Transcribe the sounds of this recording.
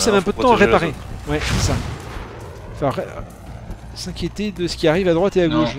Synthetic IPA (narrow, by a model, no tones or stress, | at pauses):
savɛɛ̃p̬ød̪ət̪ɑ̃aʁepaʁewɛsɛsa | fɛ̃ʁ | sɛ̃kʲjet̪ed̪əsə̥kʲiaʁivad̪ʁwat̪eaɡoʃ